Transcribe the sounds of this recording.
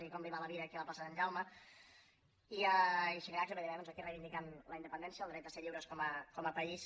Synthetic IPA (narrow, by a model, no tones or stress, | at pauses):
ikɔmbiβaləβiɾəːkiələplasəsənʒawmə | iəiʃiŋɾakeləðiɾɛðɔnzəkirejβind̪ikanləind̪əpənd̪ɛnsijəːlˠd̪ɾɛt̪əseʎiwɾəskɔməkɔməpəis